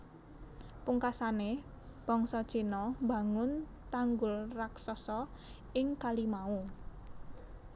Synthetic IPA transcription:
puŋkasane | b̥ɔ̤ŋsɔd̥ʒ̥inɔmba̤ŋʊn | t̪aŋɡʊlraksɔsɔ | ɪŋkalimau

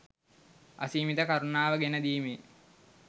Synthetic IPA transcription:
a̰siːmit̪əkaɾunaːʋəɡenəd̪iːmeː

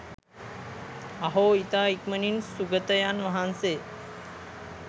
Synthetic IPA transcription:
aɦoːit̪aːikməninsuɡət̪əjanʋaɦanse

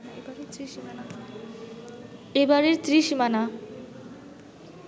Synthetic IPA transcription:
ɾ | ebaɾeɾt̪ɾiʃimana

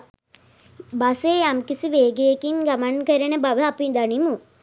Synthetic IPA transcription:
baseːamkisiʋeːɡejekiŋɡamankəɾənəbaʋəapid̪animu

